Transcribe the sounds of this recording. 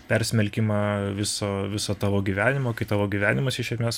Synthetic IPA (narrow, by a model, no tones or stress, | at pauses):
pʲɛɾʲsʲmʲɛlʲkʲɪmɑːʋʲɪsoːʋʲɪsoːt̪ɑːʋoːɡʲiʋʲæːnʲɪmoːkɐɪt̪ɑːʋoːɡʲiːʋʲæːnʲɪmɐsʲɪʃʲɛsʲmʲeːs